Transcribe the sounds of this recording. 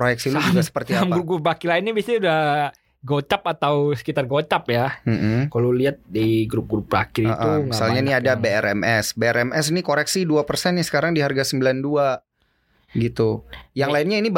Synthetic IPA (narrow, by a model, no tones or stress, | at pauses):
pɾojɛk̚siluad͡ʒuɡasə̥pərt̪ialmɡɾup̚ɡɾupakɪlaɪnːibiasiudah | ɡot͡ʃapat̪awsə̥kit̪arɡot͡ʃapjam̩m̩kaloliat̪̚daiɡɾup̚ɡɾup̚ra̰kɪɾiəʔ̪umisalɲainiadabeɛɾɛmʔɛsbeɛɾɛmɛsinikoɾɛksiduapərsɛnasə̥kaɾaŋdiɦarɡasəmbilandua | ɡit̪ujaŋlaɪnɲaini